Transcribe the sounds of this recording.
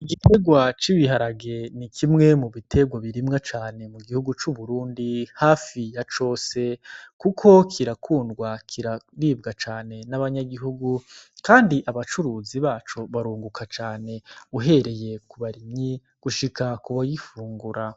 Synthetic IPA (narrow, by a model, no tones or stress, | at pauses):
iɡitʰe̞ɡwat͡ʃiβiɦaɾaɡe̞nikʰimŋe̞muβitʰe̞ɡwaβiɾimŋat͡ʃaːne̞muɡihuɡut͡ʃuβuɾuːndihaːfijat͡ʃo̞ːse̞kukʰo̞kʰiɾakʰuːnɡwakʰiɾaβiːbɡat͡ʃaːne̞naβaɲaɡiɦuɡukaːndiʔaβat͡ʃuɾuziβaːt͡ʃoβaɾuːŋɡukʰat͡ʃaːne̞uɦe̞ɾe̞je̞kuβaɾimɲi | ɡ̥uʃikakuβajifuːŋɡuɾa